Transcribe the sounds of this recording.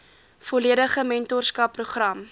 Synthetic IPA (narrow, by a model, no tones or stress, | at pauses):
foliədəχəmɛntɔrskɐpːruχrɐm